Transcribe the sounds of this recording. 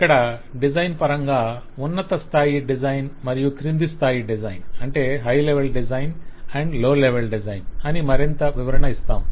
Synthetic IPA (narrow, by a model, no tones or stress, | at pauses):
ikːɐɽɐɖid͡ʒɐjnpɐɾɐŋɡaː | unːɐt̪ɐst̪ʰaːjiɖid͡ʒɐjnmɐɾijukɾind̪ist̪ʰaːjiɖid͡ʒɐjnɐɳʈe̞ːɦɐjleʋelɖid͡ʒɐjnɛɳɖloːleʋelɖid͡ʒɐjnɐnimɐɾint̪ɐʋiʋɐɾɐɳɐist̪a̰ːm